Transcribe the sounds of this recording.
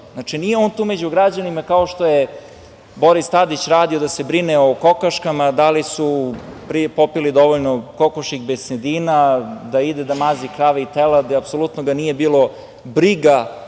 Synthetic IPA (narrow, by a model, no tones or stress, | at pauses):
znat͡ʃinije̞oːnt̪uːmed͡ʑuɡɾad͡ʑanimakaoʃt̪oje | bo̞ɾist̪ad̪it͡ɕɾaːd̪iod̪asebɾineoko̞kaʃkamad̪alisupɾipo̞pilid̪o̞ʋoʎnoko̞koʃiɣbesned̪iːnad̪aid̪ed̪amazikɾaʋeit̪elad̪apso̞lut̪noɡanije̞biːlˠo̞ | bɾiɡa